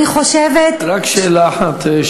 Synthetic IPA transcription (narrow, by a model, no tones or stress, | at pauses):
iχoʃevet̪ɾakʃeːlaːħat̪ʃ